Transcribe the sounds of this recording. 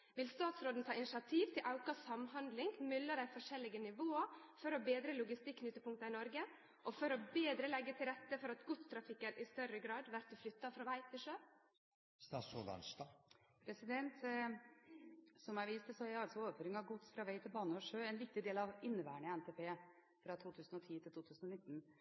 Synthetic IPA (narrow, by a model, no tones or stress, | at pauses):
ʋɪlst̪ɑːt̪sɾoːd̪n̩t̪ʰɑːɪnɪʂɑt̪ʰiːʋt̪ʰɪlʔɑʊkɑsɑmhɑnd̪lɪŋɡmʏlːəd̪æɪfɔʂɛlːɪɡənɪʋoːɑfɔɾɔbeːd̪ɾəlʊɡɪst̪ɪkːnʏt̪ːəpʊŋkt̪ɑɪnɔɾɡə | ʔɔfɔɾɔbeːd̪ɾəlɛɡːət̪ʰɪlɾɛt̪ːəfɔɾɑt̪ɡʊt̪st̪ʰɾɑfɪkːənʔɪst̪œɾəɡɾɑːd̪ʋæɾt̪̚d̪ʉflʏt̪ːɑfɾɑʋæɪt̪ʰɪlʂøː | st̪ɑːsoːd̪ɑ̰nst̪ɑːpʰɾɛsɪd̪ɛnt̪ | sɔmæɪʋiːst̪əsɔhæɑlsɔoːʋəɾføːɾɪŋɑʋɡʊt̪sfɾɑʋæɪt̪ʰɪlbɑːnəɔʂøːɛnʋɪk̚t̪ɪd̪eːlɑʋɪnːəʋæ̰ːəɳəɪɛnt̪ʰeːpʰeː | fɾɑt̪ʰuːt̪ʰʉːsənɔt̪ʰiːt̪ʰɪlt̪uːt̪ʰʉːsnɔnɪt̪ːn̩